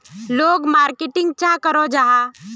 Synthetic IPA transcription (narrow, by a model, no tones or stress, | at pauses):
loːɡmaːɾkɪʈɪ̃ŋɡ̚t͡ʃãkəɾod͡ʒaɦa